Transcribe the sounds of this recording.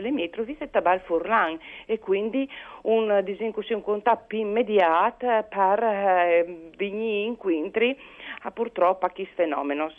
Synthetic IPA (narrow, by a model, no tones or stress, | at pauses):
lemjet̪ɾoviset̪abalfuɾlaŋekwind̪iund̪iziŋkusiuŋkunt̪apːimːed̪jat̪paɾ | viɲiːŋkwint̪ɾiapuɾt̪ɾɔpːakisfenɔ̰menos